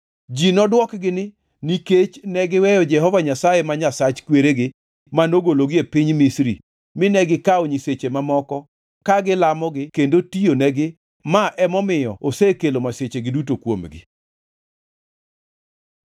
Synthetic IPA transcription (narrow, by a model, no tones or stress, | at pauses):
d͡ʒinɔdwɔkɡɪnɪ | niket͡ʃnɛɡɪwɛjɔd͡ʒɛɦɔvaɲasajemaɲasat͡ʃkweɾeɡɪ | manoɡoloɡiepiɲmisɾḭ | mɪnɛɡɪkaoɲiset͡ʃemamɔkɔ | kaɡɪlamɔɡɪkendotijonɛɡɪ | maʔɛmɔmɪjɔosekelomaset͡ʃeɡɪdutokwomɡɪ̰